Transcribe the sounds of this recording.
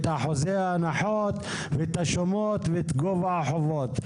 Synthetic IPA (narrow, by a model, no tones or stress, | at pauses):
t̪haħozeaːnaħot̪ | vet̪haʃomot̪vet̪ɡovaħovot̪